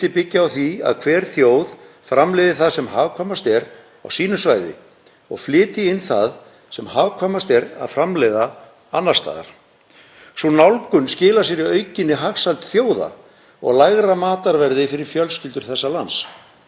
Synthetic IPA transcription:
t̪ɪpɪcːaawθia̰ðkʰvɛːɾ̥θjoːwð | fɾamlɛːðɪθaðsɛmɦaːvkʰvamast̪ɛɾ | a̰wsiːnʏsvaːjðɪ̰ | ɔ̰ɣflɪːt̪ɪɪnθað | sɛmhaːvkʰvamast̪ɛɾa̰ðfɾamlɛða | anːaɾ̥st̪a̰ːða̰ɾ̥ | sunawlkʏnscɪːlasjɛɾiœːɥcɪnːɪɦaxsalt̪θjoːwða̰ | ɔ̰ɣlaɣɾamaːt̪aɾvɛɾðɪfɪɾɪɾ̥fjœlscɪlt̪ʏɾ̥θɛsːalans

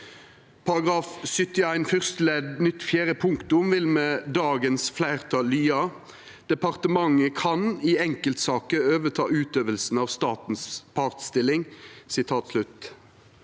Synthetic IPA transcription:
pʰɑʁɑɡʁɑːfsʏt̪ɪæɪnfœʁst̪lɛd̪nʏt̪fjæːʁəpʰʊŋkt̪ʊmʋɪlmɛːd̪ɑːɡənsflæɪʁt̪ʰɑːlyːɑ | d̪̥ɛpɑʁt̪əmɑŋːəkʰɑnɪɛŋkəlt̪sɑːkəøːʋət̪ʰɑːʉːt̪øːʋəlsn̩ɑːʋst̪ɑːt̪n̩spʰɑʁt̪st̪ɪlɪŋsɪt̪ʰɑːt̪slʉt̪

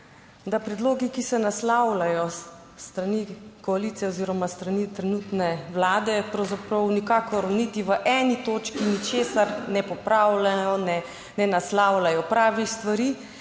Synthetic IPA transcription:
d̪apɾɛd̪loːɡikisɛnaslawlajɔ | st̪ɾanikɔaliːt̪sijɛoziːɾɔmast̪ɾanit̪ɾɛnuːt̪nɛwlaːd̪ɛpɾɐwzapɾɐwnikaːkɔɾnit̪iʋəʔɛnit̪oːt͡ʃkinit͡ʃeːsaɾnɛpɔpɾawlajɔnɛ | nɛnaslawlajɔpɾaːʋixst̪ʋaɾiː

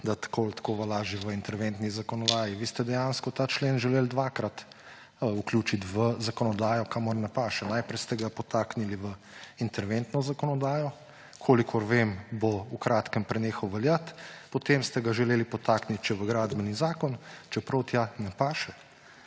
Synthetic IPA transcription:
d̪at̪ḁkʰolt̪ḁkoːʋalaːʒiʋəint̪ɛɾʋent̪nizakɔnɔd̪aːjiʋiːst̪ɛd̪ɛjanskɔt̪aːt͡ʃleːnʒɛleːld̪ʋaːkɾat̪ | uklʲjuːt͡ʃit̪ʋəzakɔnɔd̪aːjɔkamɔɾnɛpaːʃɛnaːjpɾɛjst̪ɛɡapɔt̪aːkniliʋə | int̪ɛɾʋent̪nɔzakɔnɔd̪aːjɔ | kʰoːlikʰɔɾʋemboukɾaːt̪kəmpɾɛneːxɔwʋɛljat̪pɔt̪emst̪ɛɡaʒɛleːlipɔt̪aːknit̪̚t͡ʃɛʋəɡɾaːd̪bənizaːkɔnt͡ʃɛpɾɔwt̪janɛpaːʃɛ

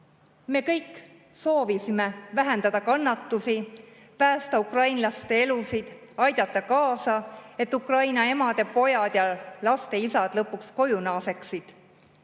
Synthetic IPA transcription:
me̞ːkɤjkːˑ | so̞ːvisime̞væɦe̞nd̪ɑd̪̥ɑkɑnːɑt̪ːusi | pæːst̪ɑukrɑjnlɑst̪e̞e̞lusid̪̥ | ɑjd̪̥ɑt̪ːˑɑkɑːsɑe̞t̪ːˑukrɑjnɑe̞mɑd̪̥e̞po̞jɑd̪̥jɑlɑst̪e̞isɑd̪̥lɤpːuksko̞junɑːse̞ksid̪̥

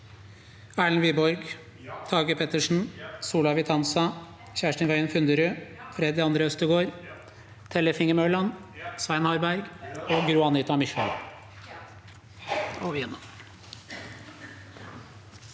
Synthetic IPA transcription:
æːɭnʋiːbɔɾɡ | t̪ʰɑːɡəpʰɛt̪əʂɳ̩suːlɑʋɪt̪ʰɑnsɑ | çæːʂʈənʋœʏənfʉnd̪əɾʉfɾɛd̪ɪɑnd̪ɾəœst̪əɡoːɾ | t̪ʰɛlːəfɪŋəmøːɭɑn | sʋæɪnhɑɾbæɾɡoːɡɾuːɑnit̪ɑmʏçə̰l | oʋiːnɑ

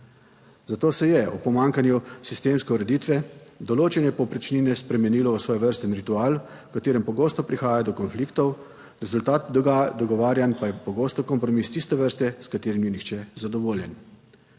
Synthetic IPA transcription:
zat̪oːsɛjɛṵpɔmaːŋkanjusist̪eːmskɛuɾɛd̪iːt̪ʋɛd̪ɔloːt͡ʃɛnjɛpɔwpɾɛt͡ʃniːnɛspɾɛmɛniːlɔʋəsʋɔːjɛʋəɾst̪ɛnɾit̪uaːlu | kat̪eːɾɛmpɔɡoːst̪ɔpɾixaːjad̪ɔkɔnfliːkt̪ɔw | ɾɛzult̪aːt̪̚d̪ɔɡɔʋaːɾjanpajɛpɔɡoːst̪ɔkɔmpɾɔmist̪ist̪ɛʋəɾst̪ɛskat̪eːɾimjɛnixt͡ʃɛzad̪ɔʋoːljɛn

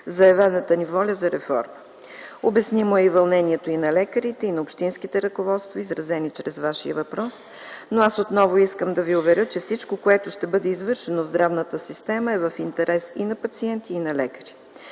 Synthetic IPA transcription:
zɐɛvɛnət̪ənivɔlʲəzɐɾɛfɔ̰ɾmə | obɛsnimoɛivɐlˠnɛniɛt̪oinɐlɛkəɾit̪ɛinɐopʃt̪insk̟it̪ɛɾəkovɔt̪st̪voizɾɐzɛnit͡ʃɾɛzvaʃiəvɐpɾɔs | noasot̪nɔvoiskəmd̪ɐviʊvɛɾʲɤt͡ʃɛfsit͡ʃkokoɛt̪ʊʃt̪ɛbɤd̪ɛizvɤɾʃɛnovzd̪ɾavnət̪əsist̪ɛməɛvɐfint̪ɛɾʔɛsinɐpɐt̪siɛnt̪iːnɐlɛkə̥ɾi̥

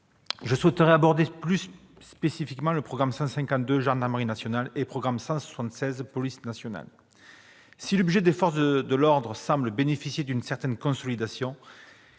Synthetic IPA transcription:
ʒəswɛt̪əʁeabɔʁd̪eplysː | pesifikmɑ̃ləpχɔɡʁamsɑ̃sɛ̃ŋkɑ̃t̪̚d̪øʒɑ̃ʁd̪aʁməʁinasjɔnalepχɔɡʁamsɑ̃swḁsɑ̃t̪sɛzpɔlisnasjɔna̰l | silɔbʒed̪efɔʁs̬d̪əlɔʁd̪ʁəsɑ̃bləbenefisjed̪ynsɛʁt̪ɛnkɔ̃sɔlid̪asjɔ̃

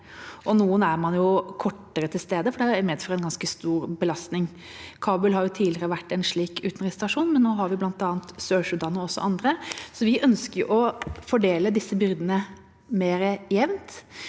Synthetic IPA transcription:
ʔɔnuːənæɾmɑnjʊkʰɔʈːəɾət̪ʰɪlst̪eːd̪əfɔɖɛmɛd̪fɔɾɛnɡɑnskəst̪uːɾbəlɑst̪nɪŋ | kʰɑːbʉlɦɑɾjʊt̪ʰiːlɪɾəʋæʈːɛnʂɭiːkʉːt̪nɾɪst̪ɑʂuːnmɛnnːoːɦɑɾʋɪblɑnt̪ɑːənt̪søːʂld̪ɑnːɔɔsːɔ̰ʔɑnd̪ɾəsɔʋɪʔœnskəjʊ̰ʔɔfɔɖeːləd̪ɪsːəbʏɾd̪ənə | meːɾəjɛʋnt̪

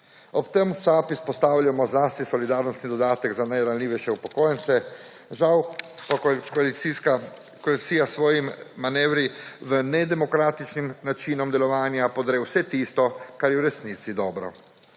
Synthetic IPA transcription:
ɔpt̪ɛmusaːpispɔst̪aːwlʲamɔznaːst̪nisɔlid̪aːɾnɔst̪nid̪ɔd̪aːt̪əɡzanajɾanlʲiːʋɛjʃɛupɔkɔːjɛnt̪sɛ | ʒawpakɔliia | kɔlisijasʋɔːjimmanɛʋɾiʋənɛd̪ɛmɔkɾaːt̪it͡ʃnimnat͡ʃiːnɔmd̪ɛlɔʋaːnjapɔd̪ɾɛwsɛt̪ist̪ɔkaɾjɛwɾɛsnit̪sid̪ɔːbɾɔ̰

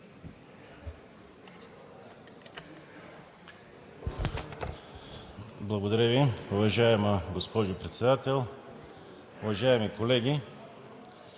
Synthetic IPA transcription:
blˠɐɡod̪ɐɾəviʊvɐʒaɛmɐɡospɔʒopɾɛt̪sɛd̪at̪ɛlˠ | ʊvɐʒaɛmikolɛɡʲi

